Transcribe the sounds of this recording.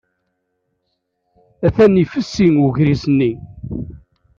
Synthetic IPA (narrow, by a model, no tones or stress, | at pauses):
æθænːifəsːinuʝɾizənːi